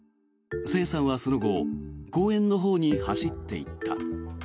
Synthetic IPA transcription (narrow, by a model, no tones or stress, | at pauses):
se̞ːsãɰ̃βaso̞no̞ɡo̞ɡ̥o̞ːẽ̞nːo̞ɦo̞ːɲ̟ihaɕit̪ːe̞̰ḭt̪ːa̰